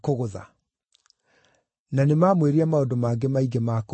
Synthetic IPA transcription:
koɣoða̰ | nanemaːmweɾiamaondomaːɡemaiɡemak

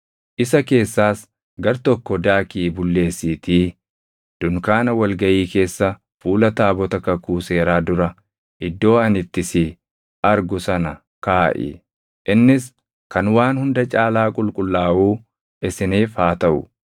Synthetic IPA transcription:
ʔɪsɐke̞ːsːaːs | ɡɐɾt̪ɔkːɔd̪aːkiːbʊlːe̞ːsːiːt̪iː | d̪̥ʊŋkaːnɐwɐlɡɐʔiːke̞ːsːɐ | fuːlɐt̪aːbɔt̪ɐkɐkuːse̞ːɾaːd̪ʊɾɐ | ʔɪd̪ːo̞ːɐnɪt̪ːɪsi | ʔɐɾɡʊsɐnɐ | kaːʔɪ̰ | ʔɪnːɪs | kɐnwaːnhʊnd̪ɐt͡ʃʼaːlaːkʼʊlkʼʊlːaːʔuː | ʔɪsɪneːfaːt̪ɐʔʊ

